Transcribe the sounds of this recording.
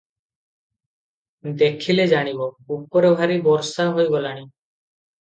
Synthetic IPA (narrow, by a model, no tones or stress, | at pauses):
d̪ekʰiled͡ʒaɽ̃ibɔupɔɾebʱaɾibɔɾsaɦojɡɔlaɽ̃i